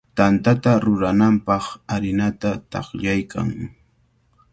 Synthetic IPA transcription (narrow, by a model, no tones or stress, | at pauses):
t̪ant̪at̪aɾʊɾanampɑχaɾɪnat̪at̪ɑ̰χʎajkʰa̰ŋ